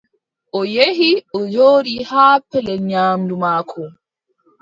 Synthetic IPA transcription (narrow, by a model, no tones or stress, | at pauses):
ʔɔjeɦiɔd͡ʒoːɾihaːpɛlɛɲaːmdumaːkʰɔ